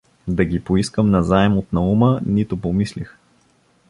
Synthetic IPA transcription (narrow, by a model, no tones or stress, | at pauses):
d̪ɐɡʲipoiskəmnɐzaɛmot̪nɐumənit̪ʊpomislix